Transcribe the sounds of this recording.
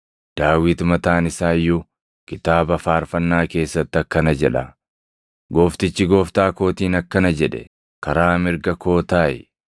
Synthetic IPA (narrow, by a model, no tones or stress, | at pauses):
d̪̥aːwɪt̪mɐt̪aːnɪsaːjːʊ | kɪt̪aːbɐfaːɾfɐnːaːke̞ːsːɐt̪ːɪɐkːɐnɐd͡ʒɛᶑɐ | ɡo̞ːft̪ɪt͡ʃːɪɡo̞ːft̪aːko̞ːt̪iːnɐkːɐnɐd͡ʒɛᶑɛ̰ | kɐɾaːmɪɾɡɐko̞ːt̪aːjɛ̰